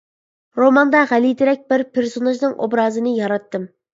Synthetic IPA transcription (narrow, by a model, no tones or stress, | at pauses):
ɾomɑnd̪ɑʁælid̪ɪɾɛk̚ʲbɪɾpʰeɾsonɑʒnɨŋʔo̰bɾɑːzɨnɨjɑɾɑt̪ːɨm